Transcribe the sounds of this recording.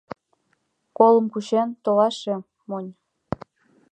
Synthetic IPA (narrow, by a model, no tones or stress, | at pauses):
kolˠɤ̆mkuʃent̪oʁɑʃĕ | monʲ